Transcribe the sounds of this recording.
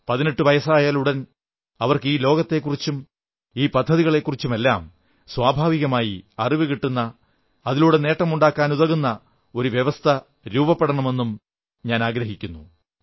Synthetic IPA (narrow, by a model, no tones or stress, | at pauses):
pɐðineʈːɨʋɐjɐsaːjaluɽɐn | ɐʋɐrkɨiːlo̞ːɡɐt̪ːe̞kːurit͡ɕːum | iːpɐd̪ʱːɐðiɣɐɭe̞kːurit͡ɕːume̞lːa̰ːm | swaːbʱaːʋiɣɐmaːjiɐriʋɨkiʈːunːɐ | ɐðiluɽene̞ːʈːɐmuɳɖaːkːaːnuðɐɣunːɐ | o̞ɾuʋjeʋɐst̪ʰɐ | ɾuːbɐpːeɽɐɳɐme̞nːum | ɲaːnaːɡɾɐɦikʲːunːu